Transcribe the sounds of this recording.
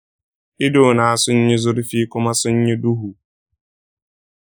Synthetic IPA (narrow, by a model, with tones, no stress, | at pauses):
ɪ˦do˨na˨a˨sʊ˦ɲ̩˦ɲe˦zʊ˦ɾɪ˦fi˦kʊ˦ma˦sʊ˦ɲ̩˦ɲe˦du˦ɦu˨